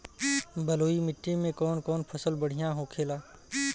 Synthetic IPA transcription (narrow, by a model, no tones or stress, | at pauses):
bəloːimɪʈːẽmẽkɔːnkɔːnpʰəsəlbəɽ̤ɪjãɦõkʰeːlaː